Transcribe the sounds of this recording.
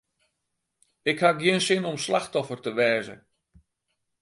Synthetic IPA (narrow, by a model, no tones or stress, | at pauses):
ɪkhaɡjiənsɪnɔmslaxtɔfərtəʋɛːzə̰